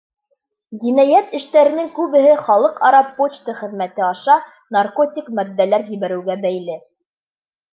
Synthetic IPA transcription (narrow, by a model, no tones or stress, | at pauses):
jinæjæt̪ɘ̆ʃt̪æɾɘ̆nɘŋkʉβɘ̆ɦɘχɑlˠɤqɑɾɑpːot͡ɕt̪ɤχɘ̆ðmæt̪ɘɑʃɑ | narkotʲikmæd̪ːælæɾjɘ̆βæɾɘ̆wɡæbæjlɘ